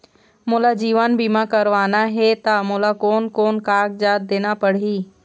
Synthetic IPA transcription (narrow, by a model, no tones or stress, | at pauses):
mʊ̃ːlad͡ʑiːʋənbimãkɐɾʋaːnaɦet̪ɐmʊ̃ːlakoːnkoːnkaːɡ̚d͡ʑaːd̪̚d̪eːnapɐɽ̤iː